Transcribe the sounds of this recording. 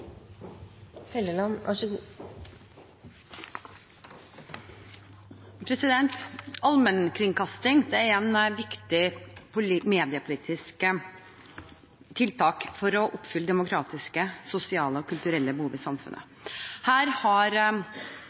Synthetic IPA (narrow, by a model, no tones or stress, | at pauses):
hɛləlɑnɑʂə | pʰɾɛsɪd̪ɛnt̪ɑlmənkʰɾɪŋkʰɑst̪ɪŋd̪ɛæɾɛnʋɪkt̪ɪpʰʊmeːd̪ɪəpʰʊliːt̪ʰɪsk | t̪ʰɪlt̪ʰɑːkfɔɾɔʔʊpːfʏlːəd̪ɛmʊkʰɾɑːt̪ɪskəsʊsɪɑːləɔkʰʉlt̪ʉɾɛlːəbəhuːʋiːsɑmfʉ̰nʔə̰ | hæːɾhɑɾ